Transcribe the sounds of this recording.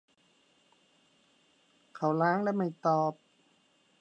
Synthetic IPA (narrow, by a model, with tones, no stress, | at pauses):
kʰa˧˩˦wlaː˦˥ŋlɛː˦˧˥ma˥˩jt̪ɔː˧p̚